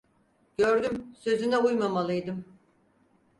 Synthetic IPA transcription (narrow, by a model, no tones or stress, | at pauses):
ɟ̥ø̞ɾd̪ymsø̞zynɛujmamalˠɯjd̪ɯm